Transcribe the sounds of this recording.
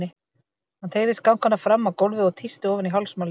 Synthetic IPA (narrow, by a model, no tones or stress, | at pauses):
ɪ | hant̪ʰeːɣðɪskawŋkanːafɾamːawkowlvɪðɔɣt̪ʰist̪ɪɔːvʏniɦawlsmawl